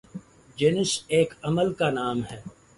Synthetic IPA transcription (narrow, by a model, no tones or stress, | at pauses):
d͡ʒeːnɪseːkɐməlkanaːmɦɛː